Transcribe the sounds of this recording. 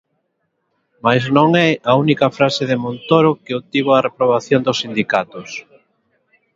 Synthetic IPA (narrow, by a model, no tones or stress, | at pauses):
majznõŋɛɐunikɐfɾaseðɪmont̪oɾokɪot̪iβoɐrepɾoβ̞aθjond̪ʊsːind̪ikat̪ʊs